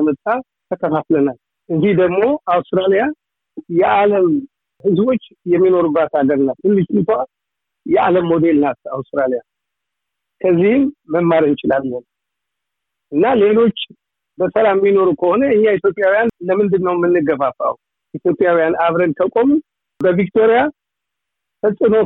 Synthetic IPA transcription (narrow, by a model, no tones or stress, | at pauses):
mət̪ʼːa | t̪ʰəkʰəfaflənal | ʔɨzihd̪əɡmo̞ʔawst̪ɾalija | jɛʔaləm | hɨzbo̞t͡ʃː | jɛmːino̞ɾubːat̪haɡəɾɨnːat̪ːɨlːɨʃnt̪a | jɛʔaləmːo̞d̪e̞lnat̪a̰wst̪ɾalija | kʰəzːihɨmːəmːaɾɨnt͡ʃɪlalːən | ʔɨnːalelo̞t͡ʃː | bəsəlamːino̞ɾukʰəho̞nəɨɲːait̪jo̞pʼjawijanləmɨnd̪ɨnːəwmːɨnːɨɡəβafa̰wu | ʔit̪jo̞pʼjawijanʔaβɾənk̪ʰəkʼo̞mu | bəvik̚t̪ʰo̞ɾija | fəsʼɨno̞